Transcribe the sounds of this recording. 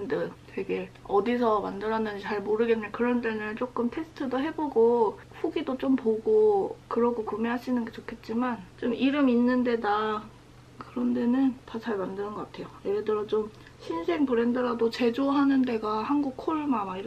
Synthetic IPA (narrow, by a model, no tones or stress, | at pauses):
ndɯte̞ɡe̞ʌdis̬ʰʌmandɯɾʌnːɯnd͡ʑit͡ɕaɭmoɾɯɡeɯnɲakɯɾʌnte̞nɯnt͡ɕ͈ok͈ɯmtʰe̞sʰɯ̥tʰɯdoɦe̞boɡo | ɸuɡidot͡ɕompoɡokɯɾʌɡokumeɦaɕʰinɯnɡet͡ɕokʰe̞t̚t͡ɕ͈imant͡ɕomʔiɾɯminːɯnde̞da | kɯɾʌnde̞nɯntat͡ɕaɭmandɯnɯnɡʌk͈atʰe̞jojeɾedɯɾʌt͡ɕom | ɕʰinsʰe̞ŋpɯɾendɯɾadot͡ɕe̞d͡ʑoɦanɯnde̞ɡahanɡuk̚kʰoɭmamaiɾ